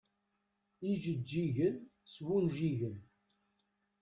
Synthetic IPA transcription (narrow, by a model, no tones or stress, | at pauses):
iʒəd͡ʒːiʝənswulʒiʝən